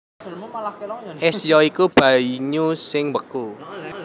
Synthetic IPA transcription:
ʔɛsjɔikub̥aiɲusɪŋwəku

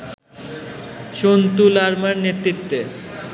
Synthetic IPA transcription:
ʃont̪ulaɾmaɾnet̪ɾit̪ːe

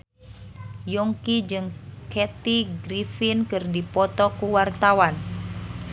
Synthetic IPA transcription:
jɔŋkid͡ʒɨŋkɛt̪iɡɾifinkɨrdipɔt̪ɔkuwart̪awan

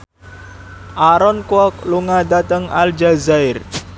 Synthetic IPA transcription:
ʔaɾɔnkwɔk̚luŋad̪at̪əŋald͡ʒazaɪr

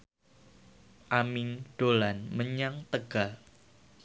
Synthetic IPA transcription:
ʔamɪŋɖ̥olanməɲaŋt̪əɡ̥al

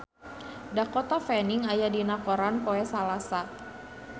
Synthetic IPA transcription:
dakɔt̪afɛniŋajadinakɔɾanpoɛsalasa

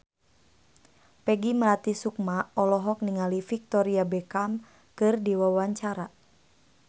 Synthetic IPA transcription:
pɛɡiməlat̪isuk̚maɔlɔɦɔk̚niŋalifik̚t̪ɔɾiabɛkam | kɨrdiwawaɲt͡ʃaɾa

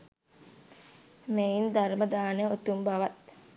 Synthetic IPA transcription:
meind̪arməd̪aːnəot̪umbaʋɐt̪

